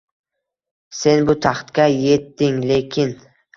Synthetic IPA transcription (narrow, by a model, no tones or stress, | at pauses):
se̞nbʊt̪ʰaχt̪kʲaje̞t̪ːɪŋle̞kʲʰɪn